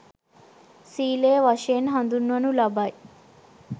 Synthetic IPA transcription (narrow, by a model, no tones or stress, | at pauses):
siːleːʋɐʃeːnɦɐnd̪unːɐnulɐbaj